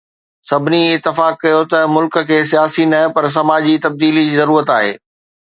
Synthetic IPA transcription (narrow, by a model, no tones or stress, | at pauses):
sɐbʱɪniɪt̪ːɪfaːkːɐjot̪ɐmʊlk̆kʰeːs̬ijaːsinɐpɐɾs̬ɐmaːd͡ʑit̪ɐb̚d̪iːlid͡ʑiːzɐɾuːɾət̪aːɦḛː